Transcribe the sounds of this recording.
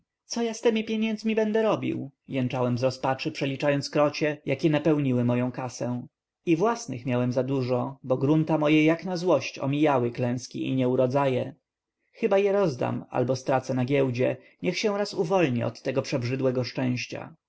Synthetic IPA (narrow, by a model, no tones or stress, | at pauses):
t̪sɔjast̪ɛmʲipʲjeɲɛnd̪zmʲibɛnd̪ɛɾɔbʲḭwjɛnt͡ʂawɛmzɾɔspat͡ʂɘpʂɛlʲit͡ʂajɔnt̪skɾɔt͡ɕɛjakʲɛnapɛwɲiwɘmɔjɔ̃w̃kasɛ̃ | ivwasnɘ̰xmʲjawɛmzad̪uʐɔbɔɡɾunt̪amɔjɛjaknazwɔɕt͡ɕɔ̰mʲijawɘklɛ̃w̃skʲḭʔḭɲɛuɾɔd̪zajɛ | xɘbajɛɾɔzd̪a̰ma̰lbɔst̪ɾat̪sɛnaɡʲjɛwd͡ʑɛ | ɲɛxɕɛ̃wɾasuvɔlɲiɔ̰t̪ːɛɡɔpʂɛbʐɘd̪wɛɡɔʂt͡ʂɛ̃w̃ɕt͡ɕa̰